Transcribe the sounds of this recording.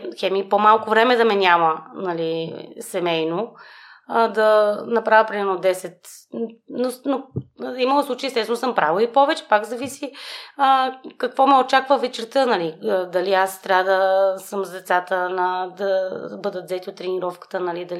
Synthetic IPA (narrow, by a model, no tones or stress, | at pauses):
xɛmipomalˠkovɾɛmɛd̪ɐmɛnʲamənɐlisɛmɛjno | d̪ɐnɐpɾavʲjəpɾʲimɛɾnod̪ɛsɛt̪ | nonoimɐlˠoslˠut͡ʃeiɛst̪ɛsvɛnsəmpɾavəipɔvɛt͡ʃɛ̥pakzɐvisiəkɐkvɔmɛot͡ʃakvəvɛt͡ʃɛɾt̪ɤnɐlid̪ɐliast̪ɾʲavəd̪ɐsɤmzd̪ɛt̪sat̪ənɐd̪ɐbɤd̪ət̪zɛt̪iot̪ːɾɛniɾɔfkə̥t̪ənɐlid̪ɐl